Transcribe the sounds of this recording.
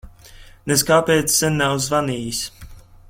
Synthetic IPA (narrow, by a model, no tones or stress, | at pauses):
nɛskaːpʲɛːt̪ssɛnʲːawzvaniːjisʲ